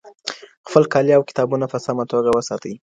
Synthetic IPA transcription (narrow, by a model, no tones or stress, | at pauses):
xpəlkɑljawkɪ̥t̪ɑbunapəsamat̪oɡawəsɑt̪əwi